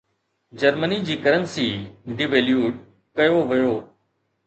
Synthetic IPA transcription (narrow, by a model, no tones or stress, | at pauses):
d͡ʑɐɾmənid͡ʑiːkɐɾənsiːɖɪʋeːljuːʈ̚ | kɐjoʋɐjoː